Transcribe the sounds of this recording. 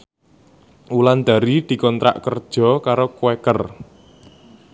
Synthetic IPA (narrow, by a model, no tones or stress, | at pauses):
ʔuland̪̥a̤ɾid̪̥i̤kɔnt̪ɾa̰ʔkərd̥ʒ̥ɔ̤kaɾokwɛkər